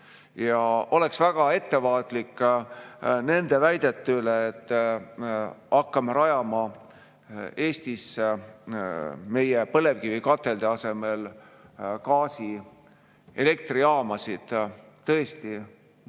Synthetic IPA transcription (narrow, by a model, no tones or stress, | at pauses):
jɑʔo̞le̞ksvæɡ̥ɑe̞t̪ːe̞vɑːt̪ˑlikː | ne̞nd̪̥e̞væjd̪̥e̞t̪ːyleːt̪ː | ɑkːɑmeɾɑjɑmɑ | e̞ːst̪is | me̞jepɤle̞vkivikɑt̪ːˑe̞ld̪̥eɑse̞me̞l | kɑːsi | e̞le̞k̚t̪riɑːmɑsid̪̥ | t̪ːɤest̪i